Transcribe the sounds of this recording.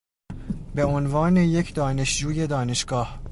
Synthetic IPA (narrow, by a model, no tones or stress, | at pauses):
be̞onvɒːne̞je̞cʰd̪ɒːne̞ʃd͡ʒuːje̞d̪ɒːne̞ʃɡ̥ɒːh